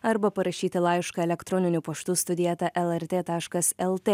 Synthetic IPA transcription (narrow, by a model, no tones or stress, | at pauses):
ɐɾbɐpɐɾɐʃʲiːt̪ʲɪlˠɑɪʃkɐɛlʲɛkt̪ɾɔnʲɪnʲupɐʃt̪uːst̪ʊd̪ʲiɛt̪ɐʔɛlˠɛɾʲt̪ʲeːt̪ɑːʃkɐsɛlˠt̪ʲeː